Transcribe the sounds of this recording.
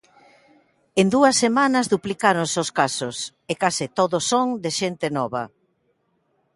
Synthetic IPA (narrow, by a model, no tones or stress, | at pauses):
end̪uɐsːemanɐzðuplikaɾõnseoskasʊs | ekasɪt̪oðosoŋd̪ɪʃent̪ɪnɔβɐ̰